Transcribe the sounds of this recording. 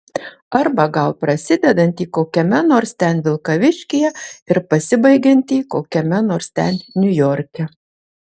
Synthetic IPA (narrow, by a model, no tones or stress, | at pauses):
ɐɾbɐɡɐlˠpɾɐsʲɪd̪ʲɛd̪ɐnʲt̪ʲiːkoːkʲɛmʲɛnoːɾst̪ʲɛnʋʲɪlˠkɐʋʲɪʃʲkʲɪjɛɪɾpɐsʲɪbɐɪɡʲɐnʲt̪ʲiːkoːkʲɛmʲɛnoːɾst̪ʲɛnʲnʲʊjɔːɾʲkʲɛ